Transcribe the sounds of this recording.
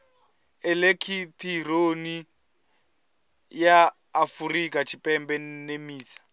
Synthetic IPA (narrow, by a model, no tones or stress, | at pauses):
ɛlekʰitʰironi | jaː | furikat͡ʃʰipʼɛmbɛnemiːsḁ